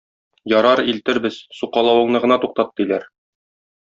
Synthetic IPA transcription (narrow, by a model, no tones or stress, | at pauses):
jɒɾɑɾilt̪ɘ̆ɾbɘz̥suqɑlˠɑwɤ̆ɴnɤʁɤ̆nɑt̪uq̚t̪ɑt̪ːɤilæɾ